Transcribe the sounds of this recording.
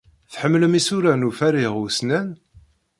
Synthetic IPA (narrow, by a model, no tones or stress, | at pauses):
θħəmːləmisuɾænufæɾiʁusnæn